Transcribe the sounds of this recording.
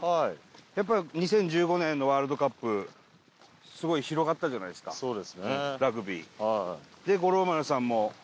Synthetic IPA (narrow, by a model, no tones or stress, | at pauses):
haijapːaiɲ̟isẽ̞ɲ̟d͡ʑɨːɡo̞nẽ̞nːo̞βaːɾɯd̪o̞kapːɯ̟ | sɨɡo̞içiɾo̞ɡat̪ːaʑanaid̪eska̰soːd̪esɨneɾaɡɯ̟bʲḭːad̪e̞ɡo̞ɾo̞maɾasãmːo̞